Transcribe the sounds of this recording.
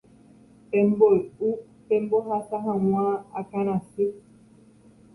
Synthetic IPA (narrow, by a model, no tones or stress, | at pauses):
pembou | pẽmboɦasaɦãwwãa̰kañãsi